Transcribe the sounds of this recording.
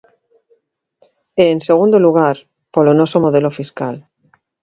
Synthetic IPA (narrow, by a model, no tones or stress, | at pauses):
eːnseɣ̞ũnd̪oluɣ̞aɾ | polonosomoð̞elofiskal